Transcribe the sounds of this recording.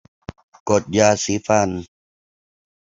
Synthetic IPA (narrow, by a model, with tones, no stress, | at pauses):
ko˨˩t̪̚jaː˧siː˨˦fa˧n